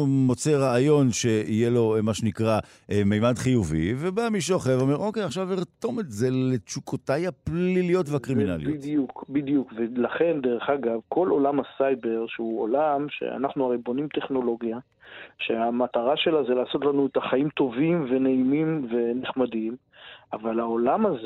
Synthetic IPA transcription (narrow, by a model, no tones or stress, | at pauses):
mo̞t͡se̞ʁaːjo̞nʃe̞ije̞lo̞maʃenikʁa | ʔmejmadχijuvḭvebamiʃ̬oχevome̞ʁʔo̞ke̞jaχʃaviʁto̞me̞tze̞le̞t͡ʃukʰotajhapllilijo̞tveakʁimina̰lḭj̰dtjukbidijukvelaχe̞nd̪eʁe̞χaɡavkʰo̞lʔo̞lamhasajbe̞ʁʃeuolamʃḛa̰naχnuaʁibonimt̪e̞χno̞lo̞ɡja | ʃḛamat̪aʁaʃe̞lazelaːso̞t̪lanuet̪aχaimt̪o̞vimve̞neimimve̞neχmadim | avalaolamaz